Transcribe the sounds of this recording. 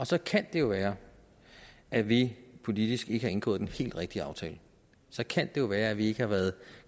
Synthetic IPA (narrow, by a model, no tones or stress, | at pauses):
ɒ̽sɒ̽kʰæn̰d̥e̝jo̝ʋæːɐ | ʔæʋipʰo̝lid̥isɡ̥e̝ɡəhɑ̈e̝nɡ̥ɔ̰ːð̩̥ˠenhe̝̰ːld̥ʁɛɡ̥̚d̥iəɑ̈ʊt͡sʰɛ̰ːlə | sɒ̽kʰæn̰d̥e̝jo̝ʋæːɐæʋie̝ɡ̥əhɑ̈ʋæɐð̩ˠ